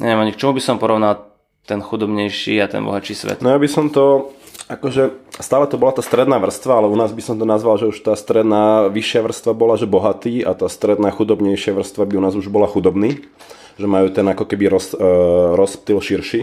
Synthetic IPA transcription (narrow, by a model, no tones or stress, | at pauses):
ɲɛ̰ʋiɛmaɲik̚t͡ʃɔmubisɔmpɔɾɔʊnal | t̪ɛnxud̪ɔbɲɛjʃḭːat̪ɛ̰nbɔ̰ɦat͡ʃiːsʋɛ̰t̪nɔjabisɔmt̪ɔakɔʒɛst̪aːlɛt̪ɔbɔlat̪aːst̪ɾɛd̪naːʋr̩st̪ʋaalɛunaːzbisɔmt̪ɔnazʋalʒɛuʃt̪aːst̪ɾɛd̪naːʋiʃɪaʋr̩st̪ʋabɔlaʒɛbɔɦat̪iːat̪aːst̪ɾɛd̪naːxud̪ɔbɲɛjʃɪaʋr̩st̪ʋabiunaːzuʒbɔlaxud̪ɔbniː | ʒɛmajuːt̪ɛnakɔkɛbiɾɔsɾɔsp̚t̪ilʃiɾʃi